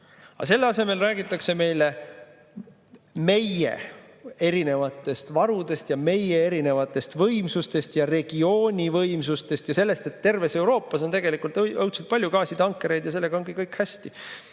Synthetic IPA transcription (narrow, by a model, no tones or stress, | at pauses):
ɑ̰se̞lːeɑse̞me̞lræːɡit̪ːˑɑkse̞me̞jle̞ | me̞jḛ | e̞ɾine̞vɑt̪ːˑe̞st̪vɑɾud̪̥e̞st̪jɑme̞je̞eɾine̞vɑt̪ːˑe̞st̪vɤjmsust̪e̞st̪jɑre̞ɡ̥io̞ːnʲivɤjmsust̪e̞st̪jɑse̞lːe̞st̪e̞t̪ːe̞rve̞se̞wɾo̞ːpːˑɑso̞nt̪e̞ɡe̞likult̪ɤwt̪sut̪̚pɑlʲjukɑːsit̪ɑŋkːˑeɾe̞jd̪jɑse̞lːeɡɑonɡikɤjkhæsʲt̪i